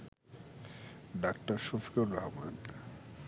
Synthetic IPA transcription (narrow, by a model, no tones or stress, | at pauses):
ɖak̚ʈaɾʃofi̥koɾːaɦban